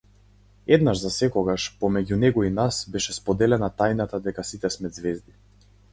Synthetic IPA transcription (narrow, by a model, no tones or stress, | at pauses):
ɛd̪naʒzasɛkɔɡaʃpɔmɛɟunɛɡɔinasbɛʃɛspɔd̪ɛlɛnat̪ajnat̪ad̪ɛkasit̪ɛsmɛd̪zvɛzd̪i